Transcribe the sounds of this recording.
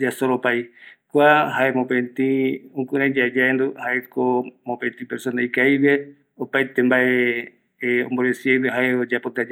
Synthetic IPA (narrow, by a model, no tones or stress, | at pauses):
d͡ʒasoɾopajkʷahaemõpẽnt̪ĩũkuɾẽd͡ʒad͡ʒaend̪uhaʔekomõpẽt̪ĩpeɾsonajkajβe | opajt̪embaʔe | õ̰mboɾesiejβeɦaeod͡ʒapot̪ad͡ʒa